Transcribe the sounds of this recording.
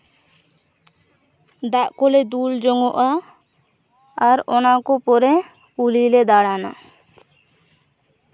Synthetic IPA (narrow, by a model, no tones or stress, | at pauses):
d̪aʔkɔlɛd̪uld͡ʒɔŋɔʔa | ɾɔnakɔpɔɾɛ | ulilɛd̪aɽana̰